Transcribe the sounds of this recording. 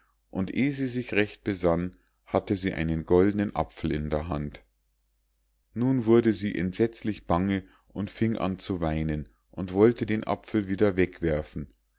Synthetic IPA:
ʔʊntʔeːziːzɪçʁɛçt̚b̥əzan | hatəziːʔa̰ɪnənɡɔldənənʔa̰pfl̩ɪndeːɐɦant | nuːnvʊɐdəziːʔɛ̰ntz̥ɛt͡slɪçb̥aŋə | ʔʊntfɪŋʔa̰nt͡suvaɪnən | ʔʊntv̥ɔltədeːnʔa̰pfl̩viːdɐvɛkv̥ɛɐfn̩

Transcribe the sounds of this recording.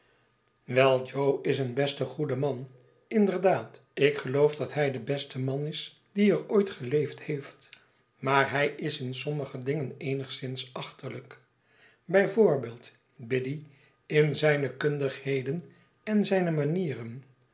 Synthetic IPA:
ʋɛlˠd͡ʒowɪsənbɛstəχudəmɑn | ɪndəɹdaːtɪkχəlowvdɑtɦɛjdəbɛstəmɑnɪs | d̥iəɹojtχəlejfthejft | maːɹɦɛjɪsɪnsɔməχədɪŋənejnəχsɪnsɑχtələk | bɛjvʊːɹbeːlˠt | bɪdi | ɪnzɛjnəkɵndəχhejdən | ɛnzɛjnəmaniːrən

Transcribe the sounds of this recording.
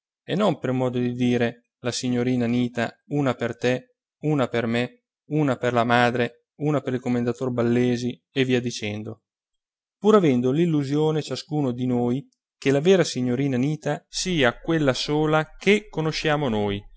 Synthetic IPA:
enompermɔːd̪od̪id̪iːɾe | lasiɲːoɾiːnaniːt̪a̰ | uːnapert̪e | uːnaperme | uːnaperlamaːd̪ɾe | uːnapeɾilkomːend̪at̪orbalːeːzieviːad̪it͡ʃɛnd̪o | puːɾavɛnd̪olilːuzjoːnet͡ʃaskuːnod̪inoːj | kelavɛːɾasiɲːoɾiːnaniːt̪asiːakwelːasoːlak̟ekːonoʃjaːmonoːj

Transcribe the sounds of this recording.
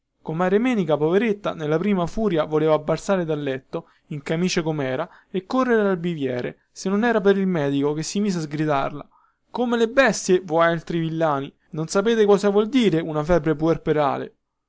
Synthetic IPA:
komaːɾemɛːnikapoveɾet̪ːa̰nelːapɾiːmafuːɾjavoleːvaːbːalsaːɾed̪alːɛt̪ːo | iŋkamiːt͡ʃekomɛːɾa | ekːorːeɾealbivjɛːɾḛ | senːonɛːɾap̬eɾilmɛːd̪ikok̟esːimiːs̬eazɡɾid̪a̰rla̰ | komelebɛst̪jevoalt̪ɾivilːaːni | nonsapeːt̪ekɔːsavwɔld̪iːɾeunafɛːbɾep̬uerpeɾa̰ːlḛ

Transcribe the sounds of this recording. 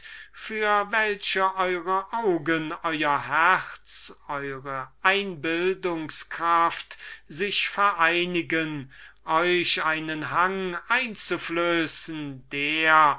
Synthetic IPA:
fyːɐvɛlʃəʔɔʏʁəʔaʊɡənʔɔʏɐhɛʁt͡sʔɔʏʁəʔaɪnbɪldʊŋskʁ̥aftz̥ɪʃfɛɐʔaɪnɪɡənʔɔʏʃaɪnənɦaŋʔaɪnt͡sufløːsn̩d̥eːɐɐ

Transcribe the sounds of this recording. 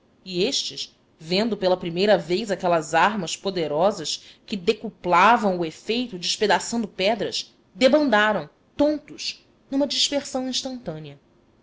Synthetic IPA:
ieʃt͡ʃɪʃ | vẽnd̪ʊpelɐpɾimejɾɐvejzakɛlɐzaɾmɐspod̪eɾɔzɐʃkɪd̪ekuplavɐ̃w̃ʊefejt̪ʊd͡ʒɪʃped̪asɐ̃w̃d̪ʊpɛd̪ɾɐʃ | d̪ebɐ̃nd̪aɾɐ̃w̃ | t̪õnt̪ʊʃ | nũmɐd͡ʒiʃpeɾsɐ̃w̃ĩʃt̪ɐ̃nt̪ɐ̃niɐ

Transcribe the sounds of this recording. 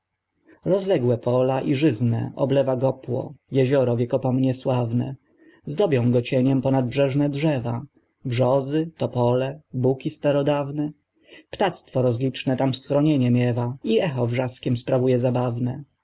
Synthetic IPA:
ɾɔzlɛɡwɛpɔlaʔiʐɘznɛ̰ʔɔ̰blɛvaɡɔpwɔ̰jɛʑɔɾɔvʲjɛkɔpɔmɲɛswavnɛ̰ | zd̪ɔbʲjɔ̃w̃ɡɔt͡ɕɛɲɛmpɔnad̪̚bʐɛʐnɛdʐɛva | bʐɔzɘt̪ɔpɔlɛbukʲist̪aɾɔd̪avnɛ | pt̪at̪st̪fɔɾɔzlʲit͡ʂnɛt̪amsxɾɔɲeɲɛmʲjɛvaiɛxɔvʐaskʲɛmspɾavujɛzabavnɛ

